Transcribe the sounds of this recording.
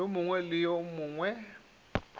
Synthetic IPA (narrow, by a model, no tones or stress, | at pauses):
omʊŋwɛlɪjomuːŋwɛ